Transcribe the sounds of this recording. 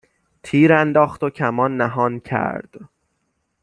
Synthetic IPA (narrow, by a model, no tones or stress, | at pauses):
t̪ʰiːɾænd̪ɒːxt̪ocʰæmɒːnːæɦɒːncʰæ̰ɾd̪̥